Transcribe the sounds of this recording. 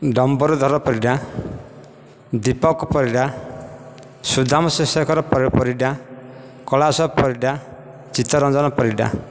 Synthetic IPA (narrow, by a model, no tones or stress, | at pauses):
ɖɔmbɔɾud̪ʱɔɾɔpɔɾiɖa | d̪ipɔkɔpɔɾiɖa | sud̪ʱamɔsesɔkɔɾɔpɔɾpɔɾiɖa | kɔɭasɔpɔɾiɖa | t͡ʃit̪ɔɾɔnd͡ʒɔnɔpɔɾiɖa̰